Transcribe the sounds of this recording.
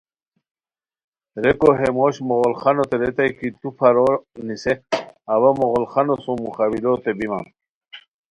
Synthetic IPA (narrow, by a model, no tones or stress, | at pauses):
ɾekoɦemoɕmoɣolχanot̪eɾet̪ajkit̪upʰaɾoɾniseaβamoɣolχanosõmuχawilot̪ebima̰n